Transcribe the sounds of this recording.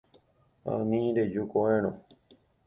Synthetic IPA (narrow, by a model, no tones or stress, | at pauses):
a̰nĩɾed͡ʒukoẽñõ